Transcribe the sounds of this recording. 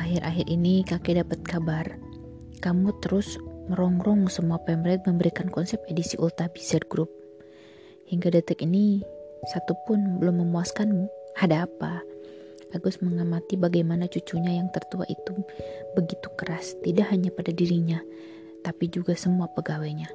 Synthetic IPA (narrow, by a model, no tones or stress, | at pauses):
aɦɪɾʔaɦɪrʔinikakɛdapat̪̚kabar | kamut̪əɾʊsməɾɔŋɾɔŋsəmuapɛmɾɛt̪̚məmbəɾikankɔnsɛpedisiʔult̪abisɛd̚ɡɾʊp̚ | hiŋɡadat̪əkinisat̪upʊnbəlʊmːəmuaskanhadaːpaː | ɡʊsməŋamat̪ibaɡajmanat͡ʃut͡ʃuɲajaŋt̪ərt̪ua̰ʔḭt̪ubəɡit̪ukəɾast̪idaʔɦaɲapadadiɾiɲa | t̪apid͡ʒuɡasəmuapəɡawɛɲa